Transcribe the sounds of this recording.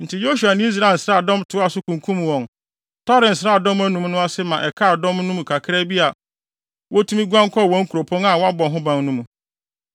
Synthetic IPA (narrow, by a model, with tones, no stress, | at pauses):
n̩˨tʰɪ˨jo˦ʃu˨a˨ñ˦s̬ɾa˨n̩˨sɾa˦˨dɔ̃˦mtʰʊ˨˦a˨sʊ˦kʰũ˨ŋ˨kʰũ˦m˨wɔ̃˨n | tʰɔ˦ɾɪ˨n̩˨sɾa˦˨dɔ̃˦mæ˦nũ˨mnʊ̃˦a˦sɪ˦mã˨ʔɛ˨kʰa˦a˨dɔ̃˦mnʊ̃˦mũ˨kʰa˨kʰɪ˦ɾɛ˦bi˦a˨ | wʔɔ˦tʰũ˦mĩ˦ɡʷã˦ŋ˦kʰɔ˦˨wɔ̃˨˦ŋ̩˦kʰu˨ɾo˨pʰɔ̃˦ŋa˨wɔ˦a˦bɔ̃˨ɦʊ̃˦bã˦ŋnũ˦mũ˨